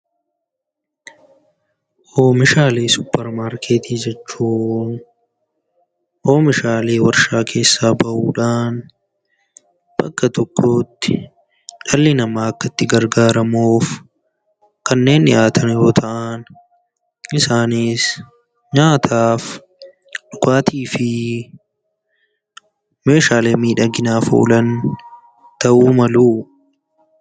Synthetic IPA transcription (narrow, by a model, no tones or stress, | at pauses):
ʔoːmɪʃaːleːsʊpːɛɾmaːɾkʰeːt̪iːd͡ʒɛt͡ʃːuːn | ʔoːmɪʃaːleːwɐɾʃaːkʰe̞ːsːaːbɐʔuːᶑaːn | b̥ɐkːɐt̪ɔkʰːo̞ːt̪ːɪ̥ | ᶑɐlːɪnɐmaːɐkːɐt̪ːɪɡɐɾɡaːɾɐmoːf | kɐnːe̞ːnːɪʔaːt̪ʰɐnɪɾɔt̪ʰɐʔaːn | ɪsaːniːs | ɲaːt̪ʰaːf | ᶑʊkaːt̪iːfɪ | me̞ːʃaːleːmiːᶑɐɡɪnaːfṵːlɐn | t̪ɐʔuːmɐluː